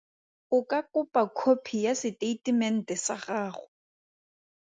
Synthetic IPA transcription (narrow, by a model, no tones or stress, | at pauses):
ʊkʼakʼʊpʼakʰopʰijasɪtʼeitʼimɛn̩tʼɛsa̰χaːχʊ